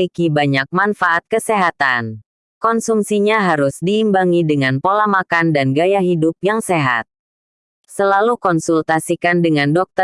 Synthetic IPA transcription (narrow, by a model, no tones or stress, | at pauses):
ikibaɲak̚manfaʔat̪̚kəseɦat̪an | kɔnsumsiɲaɦaɾusdiːmbaŋidəŋanpolamakandanɡajaɦidup̚jaŋseɦa̰t̪̚ | səlalukɔnsult̪asikandəŋandɔk̚t̪ə